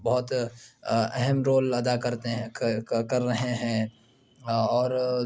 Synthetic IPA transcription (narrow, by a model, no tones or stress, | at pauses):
bɐɦʊt̪ | ɛɦɛmɾoːlɐd̪akɐɾt̪eɦkɐɾːɐɦeɦɛ̃ː | ɔːɾ